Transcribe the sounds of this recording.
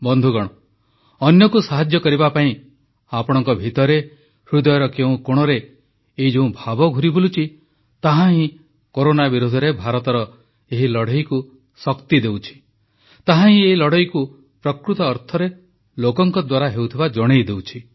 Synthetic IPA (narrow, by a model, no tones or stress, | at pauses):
bɔnd̪ʱuɡɔɽ̃ɔ | ɔnjɔkusaɦad͡ʒjɔkɔɾibapaĩ | apɔɽ̃ɔŋkɔbʱit̪ɔɾe | hɾud̪ɔjɔɾɔkeũkoɽ̃ɔɾe | ed͡ʒeũbʱabɔɡʱuɾibolut͡ʃʰi | t̪aɦãɦĩ | koɾonabiɾud̪ʱɔɾebʱaɾɔt̪ɔɾɔ | eɦilɔɽ̤ɔjku | sɔkt̪id̪ewt͡ʃʰi̥ | t̪aɦãɦĩeɦilɔɽ̤ɔjku | pɾɔkɾut̪ɔːɾt̪ʰɔɾe | lokɔŋkɔd̪waɾaɦewt̪ʰibad͡ʒɔɽ̃ejd̪ewt͡ʃʰi